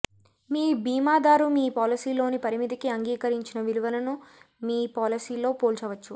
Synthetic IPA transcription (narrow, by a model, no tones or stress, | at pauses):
miːbiːmaːd̪aːɾumiːpaːlisiːlo̞ːnipɐɾimit̪̬ikiɐŋɡiːkɐɾiɲt͡ʃinɐʋiluʋɐlɐnu | miːpaːlisiːlo̞ːpoːlt͡ʃɛʋɐt͡ʃːu